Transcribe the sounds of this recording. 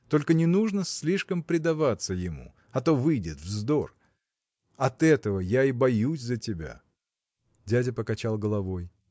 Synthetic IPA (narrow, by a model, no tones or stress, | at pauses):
t̪o̞lʲkənʲɪnuʐnəsʲlʲiʂkəmpɾʲɪd̪ɐvat̪səjɪmṵ | ɐt̪o̞vɨjdʲɪt̪vzd̪o̞r | ɐt̪ɛt̪əvəjaibɐjusʲzətʲɪbʲa̰ | dʲædʲɪpəkɐt͡ɕalˠɡəlˠɐvo̞j